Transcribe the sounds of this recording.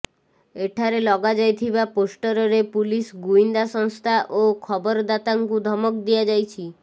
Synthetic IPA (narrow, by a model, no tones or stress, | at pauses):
eʈʰaɾelɔɡad͡ʒajt̪ʰibaposʈɔɾɔɾepulisɡuind̪asɔŋst̪ʰaʔokʰɔbɔɾd̪at̪aŋkud̪ʱɔmɔkd̪iad͡ʒajt͡ʃʰi